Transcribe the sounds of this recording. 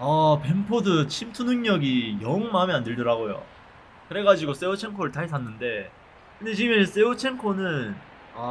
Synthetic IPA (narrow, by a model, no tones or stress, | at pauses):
ʌpe̞mpʰodɯt͡ɕʰimtʰunɯŋɲʌɡijʌɯŋmamiandɯɭdɯɾaɡojo̰ | kɯɾe̞ɡad͡ʑiɡos͈e̞ut͡ɕʰe̞ŋkʰoɾɯɭtaesʰanːɯnde̞ | kɯndet͡ɕimes͈e̞ɯt͡ɕʰe̞ŋkʰonɯnn | a